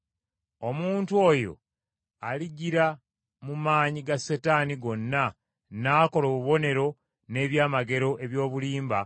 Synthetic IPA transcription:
o̞muːntuo̞jo̞̰ | aliɟiɾa | mumaːɲiɡasːetaːniɡo̞nːa | naːko̞loːβuβo̞ne̞ɾo̞ | ne̞ːβjaːmaɡe̞ɾo̞ʔe̞βjo̞ːβuliːmba

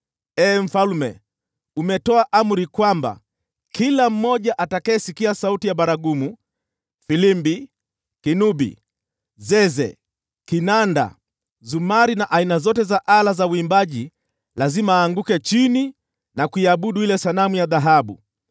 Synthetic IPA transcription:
ɛːm̩falmɛ | umɛtɔaʔam̩ɾikwamba̰ | kilam̩ːɔʄaʔatakaɛsikiasautijaɓaɾaɡumu | filimbi | kinubḭ | zɛzɛ̰ | kinanda̰ | zumaɾinaʔainazɔtɛzaʔalazauimbaʄi | lazimaːŋɡukɛt͡ʃini | nakuiaɓuɗuilɛsanamujaðaɦaɓu

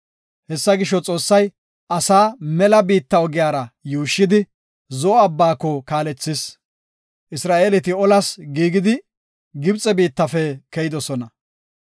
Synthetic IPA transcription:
hɛsːɐɡɪʃɔt͡sʼo̞ːsːɐj | ʔɐsaːmɛlɐbiːt̪ːɐɔɡɪjaːɾɐjuːʃːɪd̪ɪ | zɔɔɐbːaːkːɔkaːlɛt͡sːɪs | ʔɪsɾaːʔeːlɛt̪̬ɪɔlɐsɡiːɡɪd̪ɪ | ɡɪbt͡sʼɛbiːt̪ːɐfɛkɛjɪd̪ɔsɔnɐ

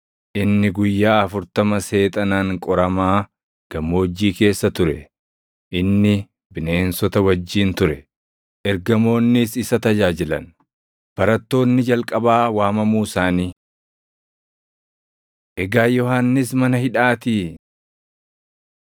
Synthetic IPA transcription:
ʔɪnːɪɡʊjːaːɐfʊɾt̪ɐmɐse̞ːt̪ʼɐnaːŋkʼɔɾɐmaː | ɡ̥ɐmːo̞ːd͡ʒːiːke̞ːsːɐt̪ʊɾɛ | ʔɪnːɪ | bɪneːnsɔt̪ɐwɐd͡ʒːiːnt̪ʊɾɛ | ʔɛɾɡɐmo̞ːnːɪsɪsɐt̪ɐd͡ʒaːd͡ʒɪlɐ̰n | b̥ɐɾɐt̪ːo̞ːnːɪd͡ʒɐlkʼɐbaːwaːmɐmuːsaːniː | ʔɛɡaːjɔhanːɪs̬mɐnɐhɪᶑaːt̪iː

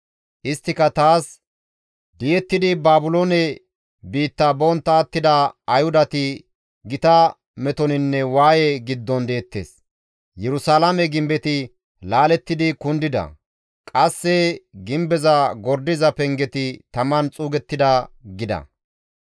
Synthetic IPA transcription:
ʔɪst̪ːɪkɐt̪aːs | d̪ɪjɛt̪ːɪd̪ɪbaːbʊloːnɛ | biːt̪ːɐbɔnt̪ːɐːt̪ːɪd̪ɐɐjhʊd̪ɐt̪ɪ | ɡɪt̪ɐ | mɛt̪ɔnɪnːɛwaːjɛɡɪd̪ːɔnd̪eːt̪ːḛːs | jɛɾʊsaːlɐmɛɡɪmbɛt̪ɪ | laːlɛt̪ːɪd̪ɪkʊnd̪ɪd̪ɐ̰ | kʼɐsːɛɡɪmbɛzɐɡɔɾd̪ɪzɐpɛŋɡɛt̪ɪt̪ɐmɐnt͡sʼuːɡɛt̪ːɪd̪ɐɡɪd̪ɐ̰

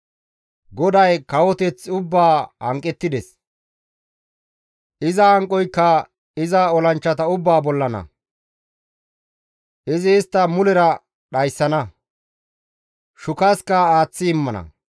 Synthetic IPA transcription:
ɡɔd̪ɐjkɐwɔt̪ɛt͡sːʊbːaːhɐ̰ŋkʼːɛt̪ːɪd̪ɛs | ʔɪzɐhɐŋkʼːɔjkːɐ | ɪzɐɔlɐnt͡ʃːɐt̪ɐʊbːaːbɔlːɐnɐ̰ | ʔɪzɪːst̪ːɐmʊlɛɾɐ | ɗɐjsːɐnɐ | ʃʊkɐskɐaːt͡sːɪːmːɐnɐ̰

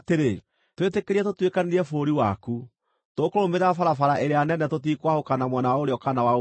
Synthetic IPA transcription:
teɾe | twetekeɾiɛtotwekaneɾiɛfoɾiwaku | tokoɾomeɾafaɾafaɾaʔeɾeanɛnɛtotikwahokanamwɛnawaoɾeɔkanawa

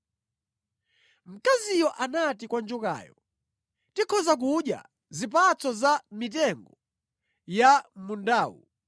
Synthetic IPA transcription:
m̩kazijɔʔanatikwand͡ʒuka̰jɔ | tikʰɔzak̬uɗja̰ | zip̬at͡sɔzamit̬ɛŋɡɔ | jamundaːwṵ

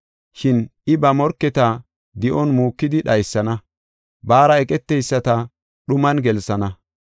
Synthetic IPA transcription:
ʃɪnɪbɐmɔɾkːɛt̪ɐ | d̪ɪʔɔnmuːkːɪd̪ɪɗɐjsːɐnɐ | baːɾɐɛkʼɛt̪ːɛjsːɐt̪ɐ | ɗʊmɐnɡɛlsɐnɐ

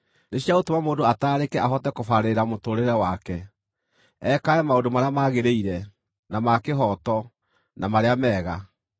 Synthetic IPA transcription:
neɕjaotomamoːdoataːɾekɛʔaɦɔtɛkofaɾeɾamotoɾeɾɛwakɛ | ɛkaɛmaodomaɾeamaɣeɾeiɾɛ | namakeɦɔtɔ | namaɾeamɛːɣa

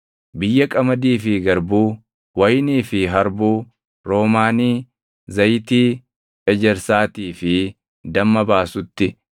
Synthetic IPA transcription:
bɪjːɐkʼɐmɐd̪iːfɪɡɐɾbuː | wɐjniːfɪɦɐɾbuː | ɾo̞ːmaːniː | zɐjt̪iː | ɛd͡ʒɛɾsaːt̪iːfɪ | d̪ɐmːɐbaːsʊt̪ːɪ

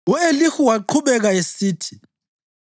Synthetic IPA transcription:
uelixuwaǃʰuβɛɣaesiːtʰi̥

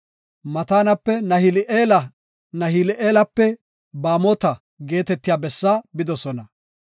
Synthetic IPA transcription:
mɐt̪aːnɐpːɛnɐhɪlʔeːlɐ | nɐɦɪlɪʔeːlɐpːɛ | baːmoːt̪ɐ | ɡe̞ːt̪ɛt̪ːɪjaːbɛsːaːbɪd̪ɔsɔnɐ

